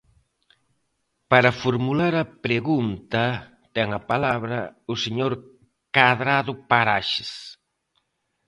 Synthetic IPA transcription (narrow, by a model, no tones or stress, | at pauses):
paɾɐfoɾmulaɾɐpɾeɣunt̪ɐ | t̪ɛŋɐpalaβɾɐʊseɲoɾ | kaðɾaðʊpaɾaʃɪ̥s